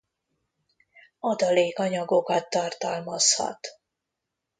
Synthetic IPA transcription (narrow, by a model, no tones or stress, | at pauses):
ɒd̪ɒleːkɒɲɒɡo̞kɒt̪ːɒrt̪ɒlmɒshɒ̰t̪